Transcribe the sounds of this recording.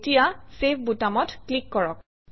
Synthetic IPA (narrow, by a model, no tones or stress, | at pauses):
tijasepʰbutamɔtklikːɔɹɔk